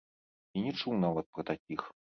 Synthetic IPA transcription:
inʲɛt͡ʂuwnavɐt̪̚pɾɐt̪akʲix

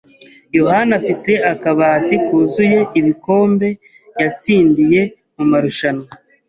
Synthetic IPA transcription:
jo̞hanafite̞akaβaːtikuzuje̞iβiko̞ːmbe̞ | jat͡siːndije̞ | mumaɾuʃano

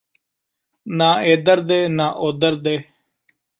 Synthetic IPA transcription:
nãːeːd̪əɾd̪eːnaːʔoːd̪əɾd̪eː

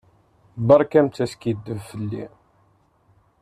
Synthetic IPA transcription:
bɑɾˤkæmt͡s̪ːæskid̪ːəvfəlːḭ

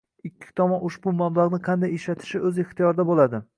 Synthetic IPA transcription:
ɪkʲʰːɪ̥t̪ʰɒmɒnʊʃbʊmamlˠaʁnɪqʰɑnd̪ajeʃlat̪ʰɪ̥ʃɪɵzeχt̪ijɒɾd̪abolad̪ɪ

